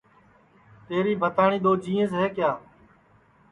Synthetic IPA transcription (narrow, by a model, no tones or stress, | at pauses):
t̪eːɾiːbʱət̪aːɳĩːd̪oːd͡ʒĩːẽːsɦeːkjaː